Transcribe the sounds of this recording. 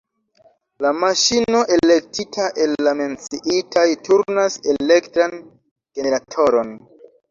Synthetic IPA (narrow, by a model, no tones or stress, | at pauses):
lamaʃino̞ʔe̞le̞k̚tʰitʰaʔe̞lːame̞nt͡siʔitʰajtuɾnase̞le̞ktɾan | ɡ̥eneɾatʰo̞ɾo̞n